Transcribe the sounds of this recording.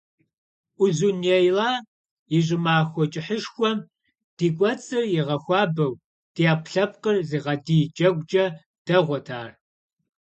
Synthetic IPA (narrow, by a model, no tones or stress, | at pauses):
ʔʷʊzunjɛjlaː | jɪɕ̬ʼɪmaːxʷɔt͡ʃʼɪħəʂxʷɔm | d̥iːkʷʼɔt͡sʼɨrjɪʁɐxʷɑːbɐw | d̥iaːpɬɐpqʼərziːʁɐdiːt͡ʃʼɐɡʷʼt͡ʃʼɐ | d̥ɐʁʷɔtʰaːr